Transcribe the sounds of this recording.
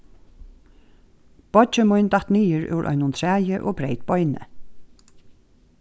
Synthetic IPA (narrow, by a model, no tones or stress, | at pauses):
b̥ɔt͡ʃəmʊjnt̪at̪niːjəɹʊ̰wɹʔɔ̰ʏnʊnt̪ʰɹæːjəʔoːbɹeɪt̪̚bɔʏnə̰